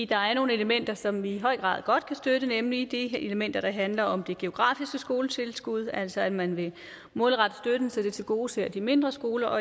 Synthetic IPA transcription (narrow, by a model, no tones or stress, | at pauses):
d̥ɑ̈æɐno̝ːn̩e̝ləmen̰d̥ɐsɒ̽mʋiɦɒ̽ɪ̰ɡ̥ʁɑ̰̈ːðˠɡ̥ɒ̽d̥kʰæsd̥øɾ̥ənemlid̥ieləmen̰d̥ɐɾ̥ɑ̈ɦænlɐɒ̽md̥e̝ɡ̥e̝o̝ɡ̥ʁɑ̰̈ːfisɡ̥əsɡ̥o̝ːlət͡sʰe̝lsɡ̥uð̞̰ˠæl̰sɒ̽æd̥mænʋe̝ | mɔ̽ːlˠʁɑ̈d̥əsd̥ød̥ən̩sed̥e̝t͡sʰe̝lɡ̥o̝ːseɐ̰d̥ime̝nd̥ʁɐsɡ̥o̝ːlɐʔɒ